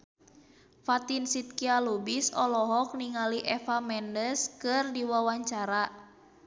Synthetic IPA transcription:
fat̪insit̪̚kialubisɔ̰lɔɦɔk̚niŋaliʔɛfamɛndəskɨrdiwawaɲt͡ʃaɾa

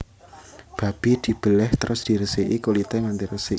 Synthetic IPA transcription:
b̥a̤b̥id̪̥i̤b̥ə̤lɛht̪əɾʔʊsd̪̥i̤ɾəsiʔikulit̪ɛŋand̪iɾəsi

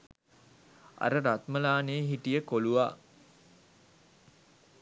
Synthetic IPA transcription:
a̰ɾəɾat̪məlaːnejːɦiʈijəkoluʋaː

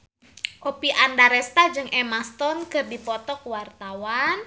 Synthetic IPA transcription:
kopiʔandaɾɛst̪ad͡ʒɨŋʔɛmast̪ɔnkɨrdipɔt̪ɔkwart̪awan

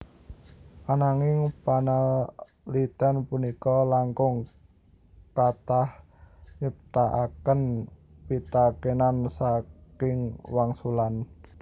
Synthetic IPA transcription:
ʔanaŋɪŋpanal | lit̪ɛnpunikɔlaŋkʊŋ | kat̪ah | ɲəp̚t̪aʔakənpit̪akenansakɪŋwaŋsulan

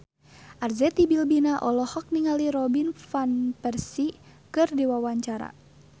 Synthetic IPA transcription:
ʔarzɛt̪ibilbinaʔɔlɔhɔk̚niŋaliɾɔbinfanpɛrsikɨrdiwawaɲt͡ʃaɾa̰

